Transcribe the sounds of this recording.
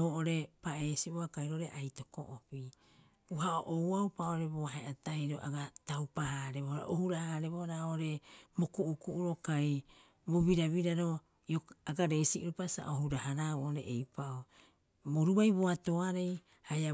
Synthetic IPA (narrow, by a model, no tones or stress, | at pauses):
oʔoɾe̞paeːsioakajɾo̞ʔoɾeʔajto̞ko̰ʔopi | uhaoʔowawpaooɾe̞boaɦeataiɾoʔaɡatawpahaɾeβohɾa̰ʔohuɾahaɾe̞βoɾaooɾe̞mokuʔukuʔuɾokaj | boβiɾaβiɾaɾo̞ | ioaɡaɾe̞siʔuɾupasa̰ʔohuɾahaɾauʔoɾḛʔejpaʔo | boɾubajβoato̞aɾej | haja